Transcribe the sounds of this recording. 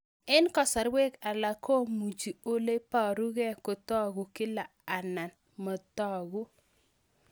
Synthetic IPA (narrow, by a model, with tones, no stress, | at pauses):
ɪ˦nkɔ˦˨sa˨ɾwe˦ka˨la˨kʰo˦mu˨d͡ʒi˨o˦le˦pa˨ɾu˦ɡɛ˦ko˨t̪ɔ˦ɡʊ˨kɪ˦la˨a˨na˨n | mɔ˨t̪ɔ˦ɡu˦